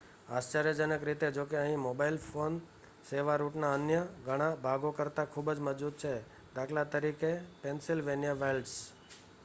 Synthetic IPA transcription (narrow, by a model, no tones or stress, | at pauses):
ast͡ʃaɾjəd͡ʒənəkɾit̪ed͡ʒokeəɦĩmobailfon | seʋaɾuʈnaənjəɡʱəɽ̃abʱaɡokəɾt̪akʰubd͡ʒməd͡ʒud̪̚t͡ʃʰe | d̪akʰlat̪əɾikepensilʋenjaʋelɖs